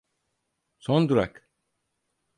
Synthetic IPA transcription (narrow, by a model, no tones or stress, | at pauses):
sond̪uɾa̰k